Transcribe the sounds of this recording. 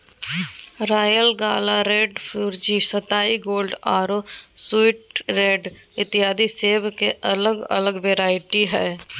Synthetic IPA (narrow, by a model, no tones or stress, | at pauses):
ɾaːjəlɡaːlaɾeːɖfʰuːɾd͡ʒisət̪aːiɡoːlɖaːɾoːsɪʈɾeːɖɪt̪ɪɦaːd̪iseːʋkeʔələɡə̰ləɡʋeːɾaːɪʈiɦɛː